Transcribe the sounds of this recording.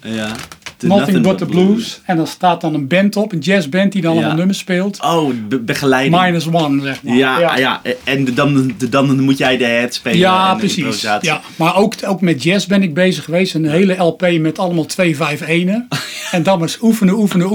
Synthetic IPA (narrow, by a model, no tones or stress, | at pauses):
mɔtɪbʊtəbluːsɛndɔnstaːt̚dɔnənbɛntɔpənjɛsbɛnt̚didɔnləallˠnøməspɪːlˠtobəxəlɛjmajnəs̬wɔnzɛxmajaja̰ɛnndɔnmutjɛjdəhɛtspejaprəsisaːj | marowkowkmɛt̚d͡ʒɛsbɪnɪɡ̚beːzəxəʋeːstɛnəɦeːlˠəɛlˠpeːmɛtɑlˠəmalˠtʰʋeːvɛjfeːnəɛndɔməsufəndəufənə